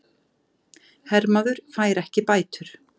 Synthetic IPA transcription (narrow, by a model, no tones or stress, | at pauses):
hɛɾmaðʏɾ̥faːjɾɛhcɪpaːjt̪ʏɾ̥